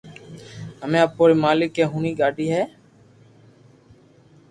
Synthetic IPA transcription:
əmẽːəpoːɾiːmaːlɪkːẽːɦuːniːɠaːɖʱiːɦɛː

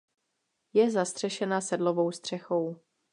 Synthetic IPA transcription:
jɛzast̪r̥ɛʃɛnasɛdlo̞vo̞wst̪r̝̥ɛxo̞w

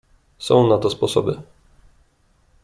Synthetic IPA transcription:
sɔ̰̃w̃nat̪ɔspɔsɔbɘ

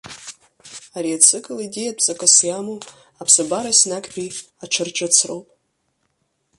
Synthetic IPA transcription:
aɾiat͡sʰɨkʼɨlidiapʰʼzʼakʼasjamo | apʰsabaɾasnakʼbʲiaʈ͡ʂʰɨrt͡ʃʼat͡sʰrowpʼ

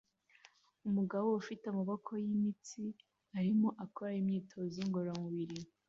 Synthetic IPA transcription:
umuɡaβo̞ufiteumaβokʰo̞jimit͡si | aɾimo̞ʔakʰoɾajimɲiːtʰo̞ziŋɡoɾamuβiɾi

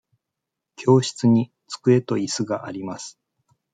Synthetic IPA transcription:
kʲʰo̞ːɕi̥t͡sɨɲ̟i | t͡sɨ̥kɯ̟e̞t̪o̞isɨɡaʔaɾʲimasɨ̥

